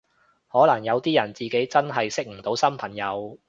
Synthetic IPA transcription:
hɔː˨˥lɐ˨˩ŋjɐ˨˧wt̪iː˥jɐ˨˩nt͡siː˨ke˨˥jt͡sɐ˥nɦɐ˨jsɪ˥k̚m̩˨˩t̪o˨˥wsɐ˥mpʰɐ˨˩ŋjɐ˨˧w

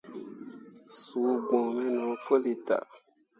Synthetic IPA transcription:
suː˨˦ɡ͡bɔ̃˨mɛ̃˦nɔ̃˨˦fo˦li˨ta̰˨

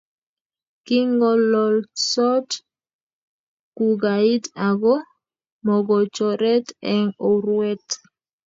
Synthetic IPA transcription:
ki˦ŋɡɔ˦lɔ˨lsɔ˦t | ku˨ɡa˨i˦ta˨ɡɔ˦ | mɔ˨ɡɔ˨t͡ʃɔ˨ɾɛ˦tɛ˨ŋɔ˨ɾwɛ˦t

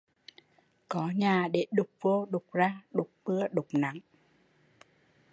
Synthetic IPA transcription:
kɔ˨˦ɲaː˨˩ɗe˧˩ɗʊ˨˩k͡p̚vo˧ɗʊ˨˩k͡p̚zaː˧ɗʊ˨˩k͡p̚ɓɨ˧əɗʊ˨˩k͡p̚na˨˦ŋ

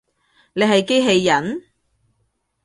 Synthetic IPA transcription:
ne˨˧jɦɐ˨jke˥jɦe˧jːɐ˨˥n

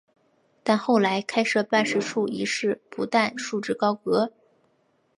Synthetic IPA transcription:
t̪a˥˧nxo˥˩ʊla˧˥ɪkʰa˥ɪʂɤ˥˧pa˥˧nʂɻ̩˥ʂu˥˩i˧˥ʂɻ̩˥˩pṵ˧˥t̪a˥˧nʂu˥˧ʈ͡ʂɻ̩˥˩kɑ˥ʊkɤ˧˥

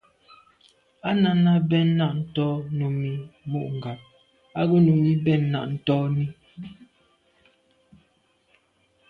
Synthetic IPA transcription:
a˦na˨na˦bɛ˦nːa˦˨ʔn̩˨˦tɔ˦nu˨mi˨mu˦˨ʔŋ˨ɡa˨p̚ | a˦ɡo˦nu˨mi˦bɛ˦˨nːa̰˨ʔn̩˦tɔ˦ni˦

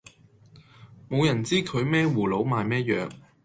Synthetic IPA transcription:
mo˨˧wjɐ˨˩nt͡siː˥kʰɵ˨˧ɥmɛː˥wuː˨˩lo˨˧wmaː˨jmɛː˥jœː˨k̚

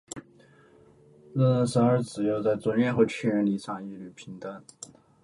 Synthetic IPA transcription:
lə˥˧ə˥˩nsə˧˥nə˞˧˥t͡sɹ̩˨˩jo˥˧ʊt͡sa˥˩ɪt͡swə˧˥nɥɛ˥˧xɤ˧˥t͡ɕʰɛ˥˩ɻə˧˥nli˧˥ʂʰɑ˥˩ŋi˥ly˨˩pʰi˧˥ŋt̪a˥n

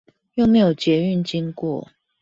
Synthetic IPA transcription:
jo˥˨ʊme˨˧˥ɪjo˨˩t͡ɕjɛ˨˦y˥˨nt͡ɕi˦ŋkwɔ̰˥˨

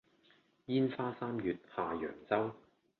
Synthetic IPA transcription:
jiː˥nfaː˥saː˥mjyː˨˧t̚haː˨jœ̰ː˨˩ŋt͡sɐ˥w

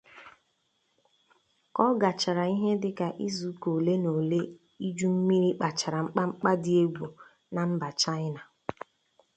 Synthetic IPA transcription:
kɔ˦ɡa˨t͡ʃa˨ɾa˨i˦ɦe˦dɪ˦ka˨ʔi˦zu˨˦ko˨le˦no˨le˦ | i˦d͡ʒu˦m̩˦mi˦ɾi˦k͡pa˨t͡ʃa˨ɾa˨ŋ͡m̩˦k͡pa˦ŋ͡m̩˦k͡pa˦dɪ˦e˦ɡʷo˨ | na˨m̩˦ba˨t͡ʃa˦ɪ˦na˨

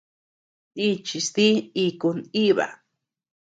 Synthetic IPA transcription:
i˦t͡ʃi˧st̪i˦i˧kuni˦βa̰˨

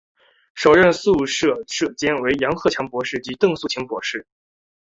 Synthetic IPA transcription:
ʂo˨˩ʊɻə˥˧nsu˥˧ʂɤ˥˩ʂɤ˥˩t͡ɕjɛ˥nwe˧˥ɪjɑ˧˥ŋxɤ˥˩t͡ɕʰjɑ˧˥ŋpwɔ˧˥ʂɻ̩˥˩t͡ɕi˧˥t̪ɤ˥˧ŋsu˥˩t͡ɕʰi˧˥ŋpwɔ̰˧˥ʂɻ̩˥˩

